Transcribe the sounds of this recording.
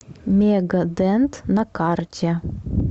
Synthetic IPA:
mʲeɡɐd̪ɛnt̪nɐkartʲɛ

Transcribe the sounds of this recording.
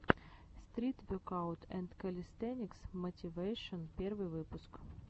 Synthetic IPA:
st̪ɾʲit̪vʲokaʊt̪ʰɛnd̪kɐlʲɪst̪ɛnʲɪksmətʲɪvejʂənpʲervɨjvɨpʊsk

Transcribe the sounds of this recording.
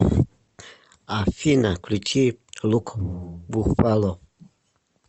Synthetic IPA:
afinaklit͡ʃʰilukbufalɔ

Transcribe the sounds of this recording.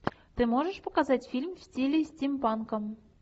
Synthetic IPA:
t̪ɨmoʒə̆ʃpɤ̆kazɑtʲfʲilʲmfsʲtʲilʲisʲtʲimpɑnkɤ̆m

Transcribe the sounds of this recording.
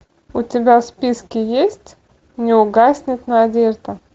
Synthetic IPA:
ʊtʲɪbʲafspʲiskʲɪjesʲtʲ | nʲɪʊɡasʲnʲɪt̪nəɐdʲeʐt̪ə

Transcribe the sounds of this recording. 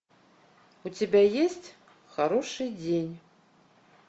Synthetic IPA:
ut͡sʲabʲajesʲt͡sʲ | xaɾɔʂɨd͡zʲenʲ

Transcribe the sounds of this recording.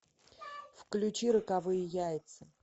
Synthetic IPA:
fklʲʉt͡ɕiɾəkavɨjɪjajɪt̪sə

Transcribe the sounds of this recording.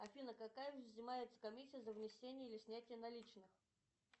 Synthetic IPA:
afʲinəkakajuzʲnʲɪmajɪt̪sə̥kamʲisʲijəzəvnʲɪsʲenʲɪjəilʲɪsʲnʲætʲɪjənalʲit͡ɕnɨx

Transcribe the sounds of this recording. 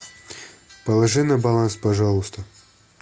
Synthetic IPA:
pɐlˠɐʐɨnɐbɐlˠanspɐʐalˠust̪ɐ

